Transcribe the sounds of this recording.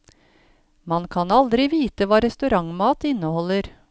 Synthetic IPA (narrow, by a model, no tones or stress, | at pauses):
mɑnkʰɑnɑld̪ɾɪʋiːt̪əʋɑːɾɛst̪ʉɾɑŋmɑːt̪ɪnəhɔlːəɾ